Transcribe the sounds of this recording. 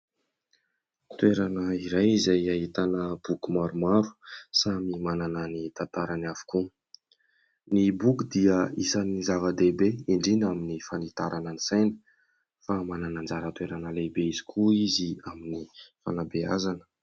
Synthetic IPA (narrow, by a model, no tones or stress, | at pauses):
t̪weɾanəiɾajizajaɦit̪anəb̥ukumaɾumaɾu̥samimanananit̪ant̪aɾanavu̥ku | nibukud̪iəisanizavad̪ebeiɳɖ͡ʐinaminifanit̪aɾʔanənisajnə̥ | famananand͡zaɾət̪weɾanəlebeizi̥kʰuiziaminifa̰nabea̰zanə̥